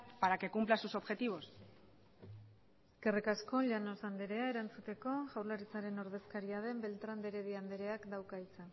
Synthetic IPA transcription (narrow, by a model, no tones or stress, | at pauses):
paɾake̞kumplasuso̞βxe̞t̪iβo̞s | eske̞rikasko̞ʎano̞sand̪e̞ɾe̞ae̞ɾant͡sut̪e̞ko̞ʝawlaɾit͡saɾe̞no̞ɾðe̞skaɾiað̞e̞mbe̞lt̪ɾand̪e̞ɾe̞ðiand̪e̞ɾe̞akd̪awkait͡sen